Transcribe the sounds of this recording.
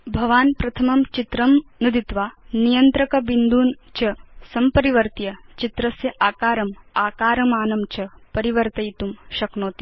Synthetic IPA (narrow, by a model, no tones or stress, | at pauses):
bʱɐʋaːnpɾɐt̪ʰɐmɐmt͡ʃit̪ɾɐmnid̪it̪ʋaːnijɐnt̪ɾɐkɐbind̪ʱuːnt͡ʃɐsɐmpɐɾiʋɐɾt̪jɐt͡ʃit̪ɾɐsjɐʔaːkaːɾɐmaːkaːɾɐmaːnɐmt͡ʃɐpɐɾiʋɐɾt̪ɐjt̪umʃɐknoːt̪i̥